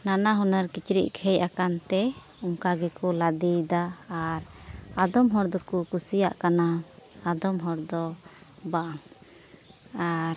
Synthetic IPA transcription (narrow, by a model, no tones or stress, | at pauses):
nanaɦunəɾkit͡ʃɾḭʔkʰɛjakant̪ɛ | uŋkaɡɛkɔlad̪id̪aːɾad̪ɔmɦɔɾd̪ɔkukusijaʔkanaad̪ɔmɦɔɾd̪ɔbaʔaŋ | aɾ